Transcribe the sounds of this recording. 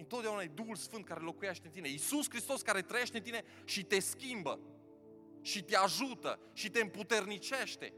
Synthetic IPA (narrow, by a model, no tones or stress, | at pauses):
ɨnt̪ot̪eaunaed̪uxulsfɨnt̪̚kaɾe̞lo̞kujeʃt̪ent̪ine̞isuskɾist̪o̞skaɾe̞t̪ɾəje̞ʃt̪ent̪ine̞ | ʃit̪e̞skʲimbə̰ | ʃit̪eaʒut̪ə̰ | ʃit̪e̞ɨmput̪e̞rnit͡ʃe̞ʃt̪e̞̰